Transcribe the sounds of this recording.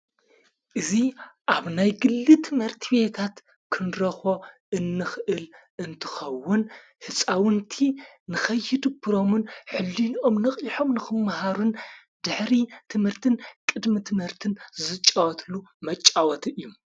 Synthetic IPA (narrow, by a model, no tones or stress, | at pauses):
ʔɨziʔaβnajɡɨlːit̪ʰɨmhɨɾt̪ʰibe̞t̪ʰat̪ | kʰɨnɾɐxoʔɨnːɨxʔɨlʔɨnt̪ʰɨ̥xɐwːʊn | hɨsʼawɨnt̪ʰinɨxɐjːid̪ɨbʰɨɾo̞mɨnħɨlːino̞mnɨχʼiħo̞mnɨxɨmːɐhaɾun | d̪̥ɨħɾit̪ʰɨmhɨɾt̪ʰɨnkʼɨd̪mɨt̪ʰɨmhɨɾt̪ʰɨnzɨt͡ʃʼːawɐt̪ʰlumɐt͡ʃʼːawɐt̪ʰɨjːom